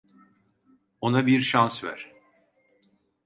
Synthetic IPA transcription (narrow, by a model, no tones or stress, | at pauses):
o̞nabiɾʃansvæ̰ɾ̥